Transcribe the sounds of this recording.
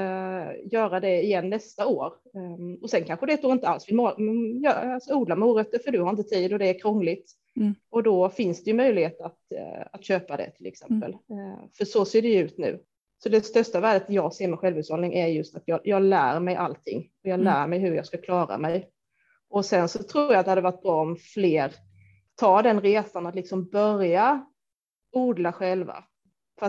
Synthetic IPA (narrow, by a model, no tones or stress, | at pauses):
jœːɾad̪ɛɪjɛnːɛst̪aoːɾ | ɔsɛnkʰanɧəd̪ɛt̪ʰuːɪnt̪əalsvɪlmːjalsɔuːd̪lamuːɾœt̪ːəfœɖɵhaɾɪnt̪ət̪ʰiːd̪ɔd̪ɛːɾkʰɾɔŋːlɪt̪ | ɔd̪ɔfɪnsd̪ɛjɵmœjlɪheːt̪at̪at̪ɕøːpad̪ɛ̰t̪ʰɪlɛ̰ksɛmpə̰lfœʂɔseːɖɛjɵʉ̟ːt̪nʉ̟̰ː | sɔd̪ɛst̪œʂtavæːɖət̪jɑːɡseːɾmɛɧɛlvʉt̪shɔlnɪŋʔæɾjɵst̪at̪jɑːjʔɑːɡlæːɾmɛjʔa̰lt̪ʰɪ̰ŋːɔjɑːɡlæːmɛjɦɵɾjɑːskakʰlɑːɾa̰mɛj | ɔsɛnsɔt̪ʰɾuːɾjat̪ɛhad̪ːɛvaʈ̚bɾɔɔmfleːɾ | t̪ʰɑːd̪ɛnɾeːsanat̪lɪksɔmbœɾja | uːd̪laɧɛlva̰ | fœɾa